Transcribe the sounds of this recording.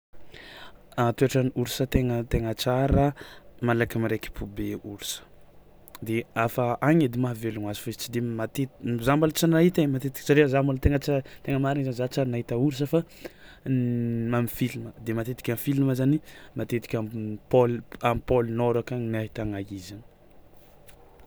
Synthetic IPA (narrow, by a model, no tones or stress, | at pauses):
at̪eaʈ͡ʂaniuɾusət̪eŋət̪eŋət͡saɾəmalakamiɾeki̥pʰubeuɾusə̥ | d̪eafaʔaŋed̪imaɦveluŋazi̥faezit͡ʃid̪emat̪ezambalt͡sinaɦit̪emat̪et̪i̥ksaɾeəzambalt̪eŋət͡saɾt̪eŋəmaɾinzanizat͡saɾanait̪auɾus̬əfa | amifiliməd̪emat̪et̪i̥kʲamfiliməzanimat̪et̪i̥kʲapolamipolinoɾakaniaɦit̪aŋaizan